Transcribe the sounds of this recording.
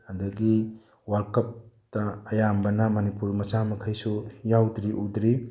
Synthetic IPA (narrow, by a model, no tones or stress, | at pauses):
ɐdɐɡi | wɐɾkɐp̚ | tɐːjambɐnɐmɐnipuɾmɐsamɐkʰɐjsujawdɾiʔudɾi